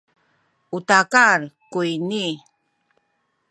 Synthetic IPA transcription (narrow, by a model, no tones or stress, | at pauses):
utakaɾkujni